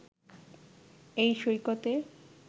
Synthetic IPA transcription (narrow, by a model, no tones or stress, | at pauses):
ejʃojkot̪e